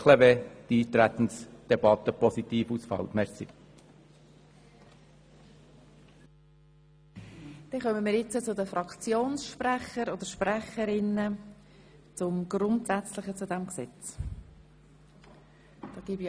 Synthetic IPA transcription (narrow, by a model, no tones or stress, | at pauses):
lɛved̥iːt̪ɾæt̪n̩sd̪̥ɛbɑt̪ːəpɔsit̪iːfusfɑ̰lt̪mɛɾsi | d̪̥ɛχœməmiːɾjɪt͡sət͡sʊdəfrɑkt͡sjoːnsʃpræχəɾod̥̪əʃpræχəɾɪnə | t͡sʊmɡ̥rʊntsæt͡slɪχət͡sʊdɛmksɛt͡s | d̥ɑːɡ̥iːbi